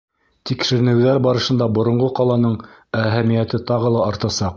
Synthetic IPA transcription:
t̪ikʃɘ̆ɾɘ̆nɘ̆wðæɾbɑɾɤ̆ʃɤ̆nd̪ɑbŏɾŏɴʁɤqɑlˠɑnɤɴ | æɦæmijæt̪ɘt̪ɑʁɤ̆lˠɑɑɾt̪ɑsɑq

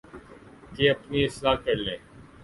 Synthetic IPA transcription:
keːəpniːɪslaːkəɾlẽː

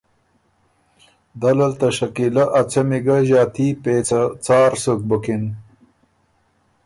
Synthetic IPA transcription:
d̪alɐlt̪ɐʂɐkilaʔat͡sɐmiɡaʑaːt̪ipet͡st͡sɑːɾsuk̚bəkin

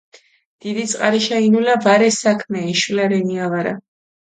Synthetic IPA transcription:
d̪̥id̪it̪sʼqʼaɾiʃainulavaɾɛsakʰmɛɛʃulaɾɛniavaɾa̰

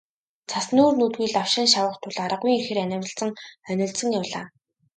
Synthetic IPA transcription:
t͡sʰasnuːrnuːt̪ɣujɮaw̥ʃɪ̆nʃawə̆χt̪ʰʊɮaɾə̆ʁuːŋixɘ̆rænʲɪ̆wʲɪ̆ɮt͡sə̆ŋœnʲɪ̆ɮsə̆ŋjawɮaː

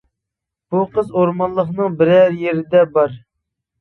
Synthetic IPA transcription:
b̥uqəzoɾmɑnlˠəχnɨŋbɪɾɛɾjeɾɪd̪ɛbɑɾ

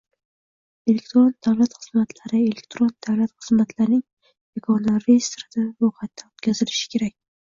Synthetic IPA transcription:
elek̚ʲt̪ɾond̪awlat̪χɨz̥mat̪ʰlaɾɪe̞lekʲt̪ɾond̪̥awlat̪χɨz̥mat̪ʰlaɾnɪŋ | jekʰɒnlaɾːejst̪ɾɪd̪avoqʰɑt̪ʰːaot̪kʲʰazɪlɪʃɪ̥kʲʰe̞ɾakʲ

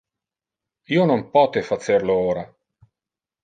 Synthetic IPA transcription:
iːonompɔːt̪efaserlooːɾa

